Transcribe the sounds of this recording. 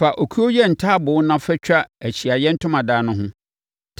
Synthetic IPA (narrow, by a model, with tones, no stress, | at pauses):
fa˨ʔo˨kʰu˦o˦jɛ˦n̩˨tʰaː˦bʊ˨˦nã˦fɛ˦t͡ɕᶣa˦æ˨ɕi˨a˨jɛ˦n̩˦tʰʊ̃˦mã˨daː˦nʊ̃˦ɦʊ̃˦ | tʰ